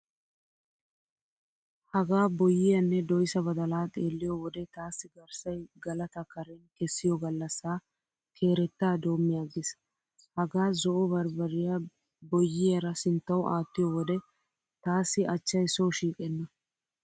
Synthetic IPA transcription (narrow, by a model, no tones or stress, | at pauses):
hɐɡaːbɔjːɪjɐnːɛd̪ɔjsɐbɐd̪ɐlaːt̪ʼeːlːɪjɔwɔd̪ɛt̪aːsːɪɡɐɾsɐjɡɐlɐt̪ɐkɐɾɛnkɛsːɪjɔɡɐlːɐsːaː | kʰe̞ːɾɛt̪ːaːd̪o̞ːmːɪjaːɡɪs | hɐɡaːzɔʔɔbɐɾbɐɾɪja | bɔjːɪjɛɾɐsɪnt̪ːɐwʔaːt̪ːɪjɔwɔd̪ɛ | t̪aːsːɪʔɐt͡ʃːɐjsɔwʃiːkʼɛnːɐ